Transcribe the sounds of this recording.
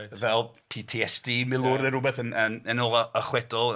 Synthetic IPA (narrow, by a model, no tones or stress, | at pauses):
vɛlˠ | pʰiːtʰiɛsd̥iːmɪlˠʊɾəɾʊbɛθənənənoːlˠɔəχwɛdɔlˠ